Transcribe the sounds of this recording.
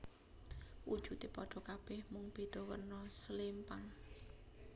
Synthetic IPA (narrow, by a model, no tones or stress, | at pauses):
wud̥ʒ̥ut̪ipɔɖ̥ɔ̤kab̥ɛhmʊŋb̥e̤d̪̥ɔ̤wə̰rnɔslimpaŋ